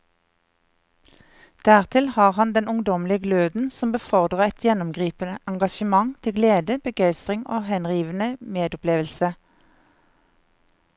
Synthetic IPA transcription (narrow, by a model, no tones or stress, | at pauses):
d̪̥æːʁt̪ʰɪlhɑːʁhɑnd̪ɛnʊŋd̪ɔmlɪəɡløːd̪n̩sɔmbəfɔʁd̪ʁəʁɛt̪ʰjɛnɔmɡʁiːpənəʔɑŋɡɑʃəmɑŋt̪ʰɪɡleːd̪əb̥əɡæɪst̪ʁɪŋoːhɛnʁiːʋənəmeːd̪ʊpleːʋəlsə